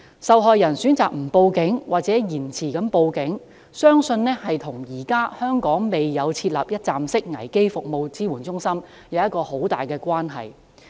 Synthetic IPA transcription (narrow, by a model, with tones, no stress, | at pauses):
sɐ˨wɦɔː˨jːɐ˨˩nsyː˨˥nt͡saː˨k̚m̩˨˩po˧wkɪ˨˥ŋwaː˨t̚t͡sɛː˨˥jiː˨˩nt͡sʰiː˨˩kɐ˨˥mpo˨˧wkɪ˨˥ŋ | sœː˥ŋsɵ˧nnɛː˥hɐ˨jt̪ʰʊ˨˩ŋjiː˨˩kaː˥hœː˥ŋkɔː˨˥ŋme˨jjɐ˨˧wt͡sʰiː˧t̚lɐ̰ː˨˩p̚jɐ˥t̚t͡saː˨msɪ˥k̚ŋɐ˨˩jke˥jfʊ˨k̚mo˨˧wt͡siː˥wuː˨˩nt͡sʊ˥ŋsɐ˥m | jɐ˨˧wjɐ˥t̚kːɔː˧ho˨˥wt̪a̰ː˨jkɛː˧kʷaː˥nɦɐ̰˨˩j